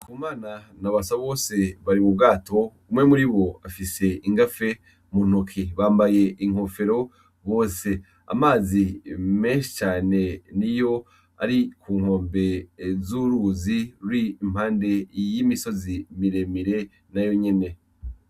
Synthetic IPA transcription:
kʰumaːna | naβasaβo̞ːse̞βaɾimubɡaːtʰo̞umŋe̞muɾiβo̞afise̞iŋɡafe̞ | mun̥okʰiβaːmbaje̞ʔiŋho̞fe̞ɾo̞ | βo̞ːse̞ | a̰maːzime̞ːnʃi̥t͡ʃaːne̞nijo̞ | a̰ɾikʰuːŋho̞ːmbe̞zuɾuziwiːm̥haːnde̞jimiso̞zimiɾe̞miɾe̞ | najo̞ɲe̞ne̞

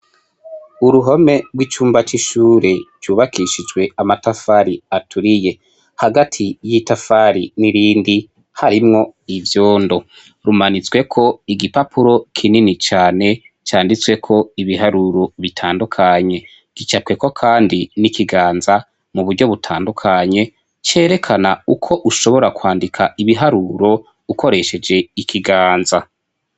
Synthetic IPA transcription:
uɾuɦo̞me̞ɡwit͡ʃuːmbat͡ʃiʃuːɾe̞d͡ʒɟuːβakʰiʃid͡ʒɡwe̞amatafaɾiatʰuɾije̞ | haɡatʰijitafaɾiniɾiːndi | haɾimŋo̞ivjoːndo̞ | ɾumanit͡swe̞kʰo̞iɡipapʰuɾo̞kʰininit͡ʃaːne̞ | t͡ʃaːndit͡swe̞kʰo̞iβiɦaɾuɾo̞βitʰaːndukʰaɲe̞ | ɡ̥it͡ʃapkwe̞ko̞kʰaːndinikiɡaːnza | muβuɾɟo̞βutʰaːndukʰaɲe̞ | t͡ʃe̞ːɾe̞kʰanaukʰo̞ʔuʃo̞βo̞ɾakwaːndikʰaiβiɦaɾuɾo̞ | ukʰo̞ɾe̞ʃe̞d͡ʒe̞ikʰiɡaːnza

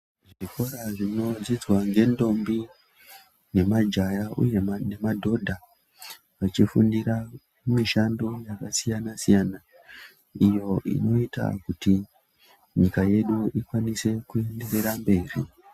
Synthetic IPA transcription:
ʐiko̞ɾaʐino̞d͡zid͡zwaŋɡe̞ndo̞mbi | ne̞mad͡ʒajaʔṵje̞ne̞madʱo̞dʱa | ʋat͡ʃifṵndiɾa | miʃandojakasijanasijana | ijo̞ʔḭno̞ita̰kuti | ɲikaje̞ɗuikwanise̞kue̞nde̞re̞ɾambe̞ːrḭ

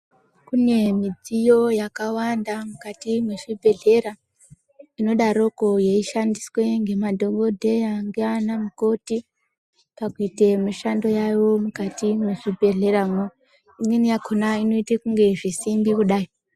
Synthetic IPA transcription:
kune̞mid͡zijo̞jakawandamukatimwe̞ʐibʱe̞ɮe̞ɾa | ino̞ɗaɾo̞ko̞je̞iʃandiswe̞ŋɡe̞madʱo̞ɡo̞dʱe̞jaŋɡeanamuko̞ti | pakuitemiʃando̞jajo̞mukatimweʐibʱe̞ɮe̞ɾaŋo | ininijakʰonaino̞itekuŋɡe̞ʐisimbikuɗai

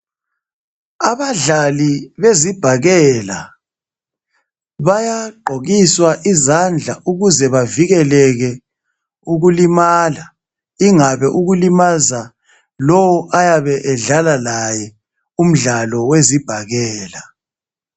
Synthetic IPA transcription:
aβaɮaliβezib̥ʱaɣɛla̰ | βajaǃʱoɣiswaʔizand͡ɮʱaʔuɣuzɛβaviɣɛlɛɣɛ | uɣulimaːla | iŋaβɛʔuɣulimaza | lɔwɔʔajaβɛʔɛɮalalajɛ | um̩ɮalɔwezib̥ʱaɣɛːla

